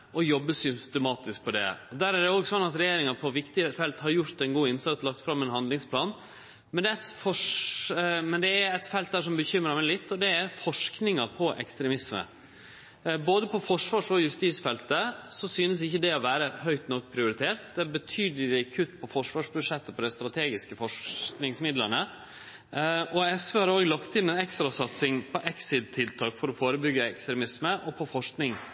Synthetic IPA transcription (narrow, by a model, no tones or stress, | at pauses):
ɔjɔbːəsʏst̪ɛmɑːt̪ɪsk̚pʰɔd̪ɛ̰d̪æːɾæɾd̪ɛoːɡsɔnːɑt̪ɾɛjeːɾɪŋɑpʰɔʋɪkt̪ɪfɛlt̪hɑɾjʊɾt̪ɛnɡuːɪnsɑt̪slɑkt̪fɾɑmːɛnɦɑnd̪lɪŋspʰlɑːn | mɛnd̪ɛɛt̪fɔʂ | mɛnd̪ɛæɾɛt̪fɛlt̪̚d̪æːʂɔmbəçʏmːɾəmɛɪlɪt̪ːɔd̪ɛæɾfɔʂknɪŋɑpʰɔʔɛ̰kst̪ɾɛmɪsmə̰ | boːd̪əpʰɔfɔʂʋɑːʂɔjʉst̪iːsfɛlt̪əsɔsyːnəsɪçːəd̪ɛɔʋæːɾəhœʏt̪nɔkːpʰɾɪʊɾɪt̪ʰeːɾt̪̚d̪ɛbət̪ʰyːd̪ɪlɪkʰʉt̪ːpʰɔfɔʂʋɑːʂbʉʂɛt̪ːəpɔd̪ɛst̪ɾɑt̪ʰeːɡɪskəfɔʂknɪŋsmɪd̪lənə | ʔɔɛsʋəhɑɾoːɡlɑkt̪ɪnɛnɛkst̪ɾɑsɑt̪sɪŋpʰɔʔɛksɪd̪̚t̪ʰːɪlt̪ʰɑːkfɔɾɔfoːɾəbʏɡːəɛkst̪ɾɛmɪsməʔɔpʰɔfɔʂknɪŋ